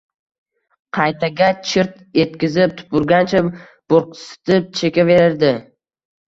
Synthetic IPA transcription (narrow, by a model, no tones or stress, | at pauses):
qʰɑjt̪ʰaɡʲat͡ʃʰɪɾt̪ | je̞t̪̚kʲɪzɪp̚t̪ʰʊ̥pʊɾɡʲant͡ʃʰa | b̥oɾqsɪ̥t̪ɪp̚t͡ʃʰe̞kʲave̞ɾɪɾd̪ɪ